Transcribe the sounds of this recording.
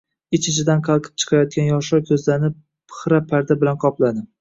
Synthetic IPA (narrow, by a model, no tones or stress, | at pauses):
ɪt͡ʃʰɪt͡ʃʰɪd̪anqʰɑlˠqʰɨ̥p̚t͡ʃʰɨ̥qʰɑɾjɒt̪̚kʲʰanjɒʃɒɾkʲʰɵzlanɪ | pʰɨ̥χɾapʰaɾd̪abɪlanqʰɒplˠad̪ɪm